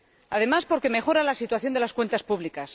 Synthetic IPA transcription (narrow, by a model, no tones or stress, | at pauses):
aðe̞maspo̞ɾke̞me̞xo̞ɾalasit̪waθjo̞nd̪e̞laskwe̞nt̪aspuβlikas